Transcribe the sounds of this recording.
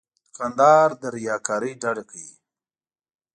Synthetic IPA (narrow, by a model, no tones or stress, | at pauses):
t̪kand̪ɑːɾd̪əɾijɑkɑɾiɖaɽekai